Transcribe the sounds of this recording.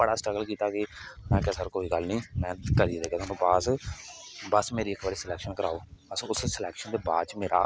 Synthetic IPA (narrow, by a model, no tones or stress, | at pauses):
bəɽaːsʈɾəɡəlkiːt̪aːkɪmɛ̃ːkɛːsəɾkoːiːɡəlnĩːmɛ̃ːkəɾid̪eːɡɛːaːnũːpaːs | bəsmeːɾiːɪkbaːɾiːsɪlɛːkʃənkəɾaːoːəsʊssəlɛːkʃənd̪eːba̰ːd̪t͡ʃmeːɾʔa̰ː